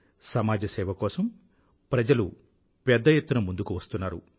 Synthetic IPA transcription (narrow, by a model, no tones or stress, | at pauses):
sɐmaːd͡ʒɐsɛːʋɐkɔːsɐm | pɾɐd͡ʒɐlu | pɛd̪ːɐjet̪ːunɐmund̪ukuʋɐst̪unːaːɾu